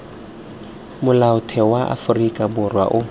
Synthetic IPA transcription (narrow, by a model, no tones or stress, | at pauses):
mʊlaʊtʰɛwaʔa̰fʊrikʼabʊrwa̰ʔʊ